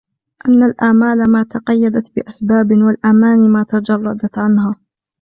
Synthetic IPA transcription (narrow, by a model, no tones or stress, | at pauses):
ʔanːalʔaːmaːlamaːt̪ɑqɑjːad̪at̪bɪʔasbaːbwalʔamaːnimaːt̪ad͡ʒɑrˤːɑd̪at̪ʕanhaː